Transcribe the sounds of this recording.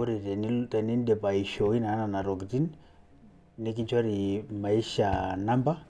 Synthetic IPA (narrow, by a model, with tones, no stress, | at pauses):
ɔ˦ɾi˨tɛ˨ni˦tɛ˨ni˦n˦dɛ˨pa˨i˨ʃɔ˨i˦na˨˦na˨na˨ɾɔ˨ki˨ti˦n | ni˦ki˦ɲt͡ʃwa˦ɾi˨ma˨i˦ʃa˨na˦mba˦